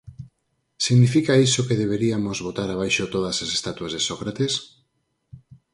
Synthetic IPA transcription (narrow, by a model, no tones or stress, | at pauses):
siɣnifikaisokeð̞eβeɾiamozβot̪aɾaβ̞ajʃot̪oð̞asasest̪at̪uazðesokɾat̪es